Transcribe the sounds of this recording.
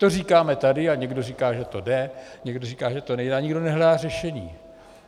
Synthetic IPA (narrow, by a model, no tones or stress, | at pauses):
t̪o̞riːkaːmɛt̪adɪaɲɛɡdo̞riːkaːʒɛt̪o̞dɛɲɛɡdorikaːʒɛt̪onɛjdaːɲɪɡdo̞nɛɦlɛdaːrɛʃɛɲiː